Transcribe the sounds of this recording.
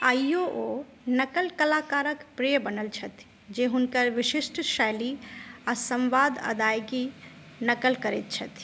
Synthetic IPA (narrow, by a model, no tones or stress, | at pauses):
ajoʔo | nəkəlkəlakaɾəkpɾijəbənəlt͡ʃʰət̪ʰ | d͡ʒeɦunkəɾʋɪʃɪʃʈʃaliasə̃mʋad̪ə̰d̪ajki | nəkəlkəɾet̪̚t͡ʃʰət̪ʰ